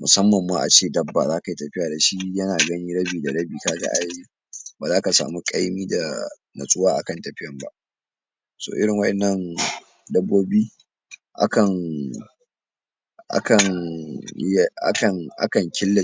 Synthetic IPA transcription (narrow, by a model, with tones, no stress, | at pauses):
mʊ˨sɐ˦mːɐ˨mːaː˦ʔa̰˨t͡ʃeː˦˨dɐ˦bːa̰˨zaː˦ka˨ji˦tɐ˨ɸɪ˦jaː˨da˨ʃi˦jɐ˦naː˨ɡɐ˦niː˦ɽɐ˦biː˨da˨ɽɐ˦biː˨kaː˦ɡa̰˦ʔa˦ji˦ | baː˨zaː˦ka˨sa̰ː˨mu˦kʼa˦jmiː˦da˨ | nɐ̰˨sʼʊ˦waː˦ʔa̰˨kɐ˦˨ntɐ˨ɸɪ˦jɐ˨mba̰˦ʔ | so̰ː˨ʔɪ̰˦ɾɪ˨ŋwɐ˦ʔɛ˨nːɐ˦n | dɐ˦bːoː˦biː˦ | ʔa̰˦kɐ˨n | ʔa̰˦kɐ˨n˦ | a̰˦kɐ˨ŋʔa̰˦kɐ˨ŋkʲɪ˦lːa˨